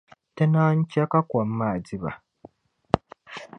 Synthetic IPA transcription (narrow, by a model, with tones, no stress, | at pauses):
tɛ˦naː˦ɲ̩˦t͡ʃa˦ka˦kʷɔ˨m̩˦ma˨di˦ba̰˨